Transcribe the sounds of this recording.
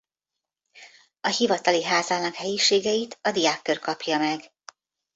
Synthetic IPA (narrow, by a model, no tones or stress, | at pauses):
ɒhivɒt̪ɒliɦaːzalnɒkhɛjiʃeːɡɛjit̪ɒd̪ijaːkːørkɒpjɒmɛɡ